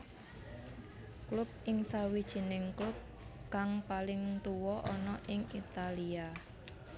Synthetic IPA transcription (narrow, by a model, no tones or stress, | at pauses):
klʊp̚ɪŋsawid̥ʒ̥i̤nɪŋklup̚ | kaŋpalɪŋt̪uwɔʔɔnɔʔɪŋit̪alia